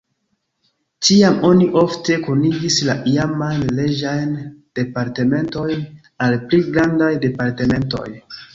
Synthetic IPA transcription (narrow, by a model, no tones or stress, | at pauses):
t͡ʃiamo̞niʔo̞fte̞kuniɡislaʔiamajnle̞d͡ʒajnd̥e̞paɾte̞me̞nto̞jn | alpliɡɾandajde̞paɾteme̞nto̞̰j